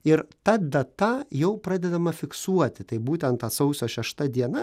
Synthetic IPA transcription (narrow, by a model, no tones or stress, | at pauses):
ɪɾt̪ɐd̪ɐt̪ɐjɛʊpɾɑːd̪ʲɛd̪ɐmɐfʲɪksuɔt̪ʲɪt̪ɐɪbuːt̪ʲɛnt̪ɐsɐʊsʲoːʃʲɛʃt̪ɐd̪ʲiɛnɐ